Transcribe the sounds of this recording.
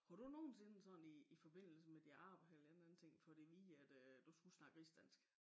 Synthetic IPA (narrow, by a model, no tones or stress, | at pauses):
hɑɾuno̝ːn̩se̝nəsɒ̽n̩iːfɒ̽b̥e̝n̰l̩səmed̥iɑ̰̈b̥ɐelɐen̩æn̩t͡sʰeŋ̰fɒ̽ɾ̥e̝ʋiːæd̥d̥usɡ̥usnɑ̈ɡ̥isd̥æn̰sɡ̥